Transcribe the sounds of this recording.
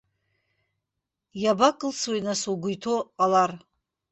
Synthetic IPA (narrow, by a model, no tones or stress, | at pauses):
jabakʼɨlt͡sʰwejnasuɡʷʊjtʰoqʼalar